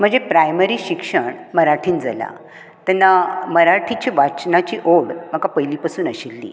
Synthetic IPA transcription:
m̤əɳd͡zepɾajməɾiːɕikʂəɳməɾaʈʰiːnd͡za̰la̰ | t̪ɛnːaməɾaʈʰit͡ɕiʋat͡ɕnat͡ɕiʔoɽm̤əkapəjliːpasuːnəɕelːḭː

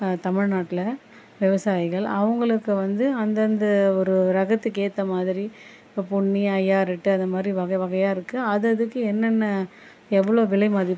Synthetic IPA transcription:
t̪ɐmɪɻnaːʈːɪlɐ | ʋɪʋɐsaːjɪɣɐɭɐ̰ʋɐŋɡɐɭɯkːɯʋɐnd̪ɯɐnd̪ɐnd̪ɐɔɾɯɾɐɣɐt̪ːɯkeːt̪ːɐmaːðɪɾi | pʊɳːiɐjːaːɾɪʈːɯɐnd̪ɐmaːd̪ɾiʋɐɣɐʋɐɣɐjaːɪɾɯkːɯɐðɯɐðɯkːɯɛnːɐnːɐ | ɛʋːɐɭoːʋɪlɐɪmaːðɪ

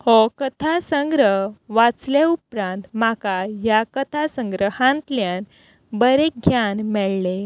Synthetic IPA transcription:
hokət̪ʰasəŋɡɾəɦʋat͡sleupɾãnt̪m̤akajakət̪ʰasə̃ŋɡɾəhãnt̪ljan | bəɾek̚ɡʱjanmɛɭle

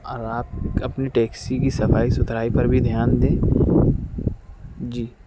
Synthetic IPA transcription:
ɔːɾaːp̚ɐpniʈɛːksikisɐfaːisʊt̪ʰɾaːipɐɾbʱid̪ʱjaːnd̪ẽː | d͡ʒiː

